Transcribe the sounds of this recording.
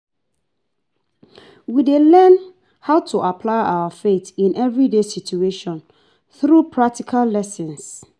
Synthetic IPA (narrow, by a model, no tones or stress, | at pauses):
widelɛ̃n | haʊtʰuʔapʰlaɪʔa̰wəfetĩnʔɛvɹidesitueʃɔ̃n | θɾupʰɹak̚tʰikʰalːɛsɛ̃ns